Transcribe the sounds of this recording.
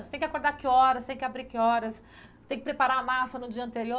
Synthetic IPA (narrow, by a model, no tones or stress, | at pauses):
st̪ẽj̃kʲakoɾd̪akɪɔɾɐst̪ẽkɪabɾikɪɔɾɐs | t̪ẽj̃kɪpɾepaɾaɐmasɐnʊd͡ʒiɐ̃nt̪eɾio